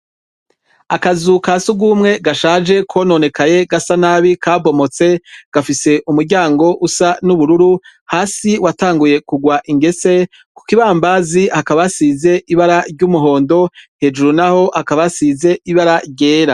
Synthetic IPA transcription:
akazukasuɡuːmŋe̞ɡaʃaːd͡ʒe̞kʰo̞no̞ne̞kaje̞ɡasanaːβikaːbo̞mo̞t͡se̞ɡ̥afise̞ʔumuɾɟaːŋɡo̞ʔusanuβuɾuɾuhaːsiwataːŋɡuje̞kuɡwaʔiŋɡe̞se̞ | ku̥kiβaːmbazihakaβasize̞ʔiβaɾaɾɟumuɦo̞ːndo̞he̞ːd͡ʒuɾunaho̞hakaβasize̞iβaɾaɾɟe̞ːɾa

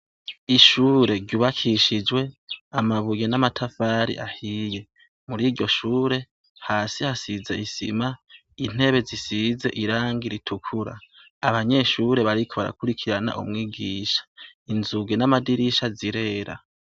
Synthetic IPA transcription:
iʃuːɾe̞ɾɟuːβakʰiʃid͡ʒwe̞amaβujenamatʰafaːɾḭʔahiːje̞ | muɾiːɾɟo̞ʃuːɾe̞ | haːsihasize̞isḭma | in̥e̞βe̞zisize̞̰ʔiɾaːŋɡiɾitʰukʰuɾa̰ | aβaɲe̞ːʃuɾe̞βaɾikʰo̞βaɾa̰kuɾikʰiɾana̰ʔṵmŋiːɡiːʃḁinzuɡenamadiɾiʃaziɾe̞ːɾa̰

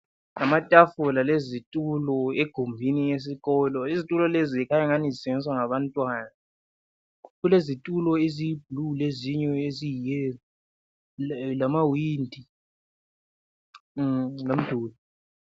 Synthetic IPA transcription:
namatʼafulalezitʼulɔeɡ̥ʱumbʱinijes̬iɣɔlɔizitʼulɔlezikʰajaŋanizisɛɛniswaŋaβantʼwaːna | ɣulezitʼulɔezijib̥̚ʱluleziɲɔezijɛ | lamawiːndʱi | lom̩d̥ʱuːlɔ

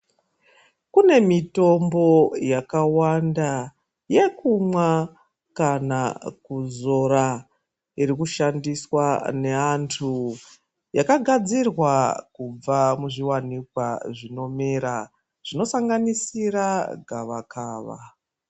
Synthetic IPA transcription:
kune̞mito̞mbo̞jakawanda | je̞kumwa | kanakuzo̞ɾa | iɾikuʃandiswane̞antʰu | jakaɡʱad͡zirwakub͡vamuʐiwanikwaʐino̞meɾa | ʐ̥ino̞saŋɡanisiraɡʱaʋakʰaːʋa̰

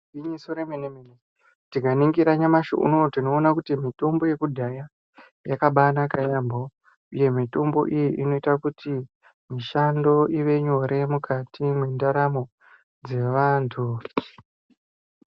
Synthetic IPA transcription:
iɲisoɾemenemene | tikaniŋɡiɾaɲamaʃo̰ʔṵnotino̞ːnakutimito̞mbo̞je̞kudʱaja | jakaɓanakajambo | uje̞mito̞mbo̞̰ʔijiʔino̞itakutʰi | miʃando̞iʋe̞ɲo̞ɾʔe̞mukʰatʰimwendaɾamo̞ | d͡ze̞ʋaːntʰu

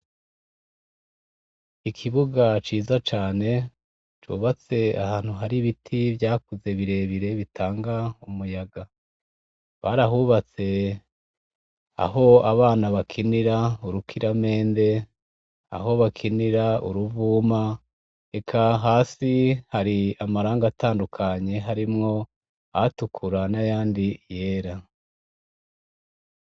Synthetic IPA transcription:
ikʰiβuɡat͡ʃiːzat͡ʃaːne̞ | t͡ʃṵːβat͡se̞a̰haːn̥huɦaɾiβitʰivjaːkuze̞βiɾe̞ːβiɾe̞βitʰaːŋɡaumujaɡa | βaɾaɦuːβat͡se̞ | a̰ɦo̞aβaːnaβakʰiniɾauɾukʰiɾame̞ːnde̞ | a̰ɦo̞βakʰiniɾauɾuvuːma | e̞kʰaɦaːsihaɾiamaɾaːŋɡataːndukʰaɲe̞ɦaɾimŋo̞ | a̰tukʰuɾanajaːndije̞ːɾa

